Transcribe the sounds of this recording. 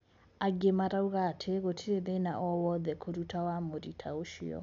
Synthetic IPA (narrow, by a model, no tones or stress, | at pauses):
aɡemaɾauɣatʰeɣotʰiɾeðenaʔɔwɔðɛkʰoɾutawamoɾitʰaoʃiɔ̰